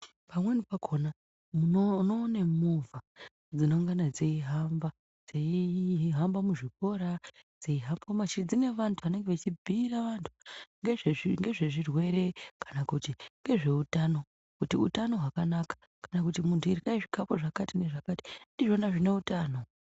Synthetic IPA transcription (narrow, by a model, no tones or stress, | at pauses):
pamwe̞nipakʰona | muonoːnemuva | d͡zino̞ŋɡanad͡zeiɦamba | d͡zeiɦambamuʐiko̞ɾad͡zeiɦambkomat͡ʃid͡zine̞ʋantʰuane̞ŋɡeʋat͡ʃibʱiːɾaʋantʰu̥ŋɡeeiŋɡe̞ʐe̞ʐirwe̞ɾe̞kʰḁnakutiŋɡe̞ʐe̞utano̞ | kutiutano̞ɦwakanakḁ | kanakutimuntʰuirkaiʐikapo̞ʐakatine̞ʐakati̥ndiʐo̞naʐine̞utaːno̞